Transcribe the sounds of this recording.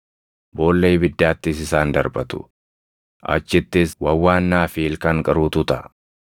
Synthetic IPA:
bo̞ːlːejbɪd̪ːaːt̪ːɪsɪsaːnd̪ɐɾbɐt̪ʊ̥̰ | ʔɐ̰t͡ʃːɪt̪ːɪswɐwːaːnːaːfiːlkɐŋkʼɐɾuːt̪ʊt̪ɐ

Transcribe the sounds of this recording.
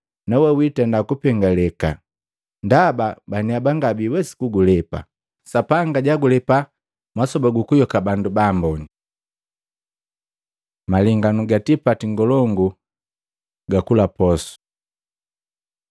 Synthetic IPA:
nawɛwitɛndakupɛŋɡalɛka | ndababaniabaŋɡabiwɛsi̥kuɡulɛpa̰ | sapaŋɡaɟaɡulɛpa | mwasɔbaɡukujɔkabandubaːmbɔni | maliŋɡanuɡatipatiŋɡɔlɔŋɡu | ɡakulapɔsu̥

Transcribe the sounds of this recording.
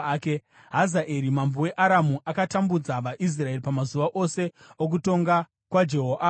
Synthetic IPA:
ke | ɦazaʔeɾimambuwe̞ʔaɾamuʔakatambud͡zaʋaʔis̬rae̞ipamazuʋaʔo̞se̞ | ok̬uto̞ŋɡa | kwad͡ʒe̞ɦoʔa

